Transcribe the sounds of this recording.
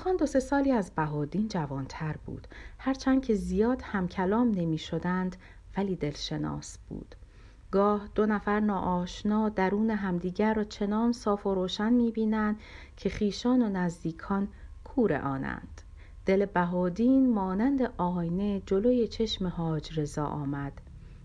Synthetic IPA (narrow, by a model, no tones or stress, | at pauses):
xɒːnd̪o̞se̞sɒːliːæzbæɦɒːd̪iːnd͡ʒævɒːnt̪ʰæɾbṵːd̪̥hæɾt͡ʃʰænd̥̪kcʰe̞zijɒːd̪̥hæmcʰælɒːmne̞miːʃod̪ænd̪ | væliːd̪e̞lʃe̞nɒ̰ːsb̥ṵːd̪̥ | ɡɒːhd̪̥o̞næfæɾnɒːʔɒːʃnɒːd̪æɾuːneɦæmd̪iːɟæɾːɒːt͡ʃʰe̞nɒːnsɒːfo̞ɾoːʃænmiːbiːnænd̪ | cʰe̞χiːʃɒːnonæzd̪iːkʰɒːn | kʰuːɾḛʔɒːnæ̰nd̪̥ | d̪̥elebæɦɒːd̪iːnmɒːnænd̪eʔɒːjne̞d͡ʒo̞lojet͡ʃʰe̞ʃmehɒːd͡ʒre̞zɒ̰ːʔɒ̰ːmæd̪̥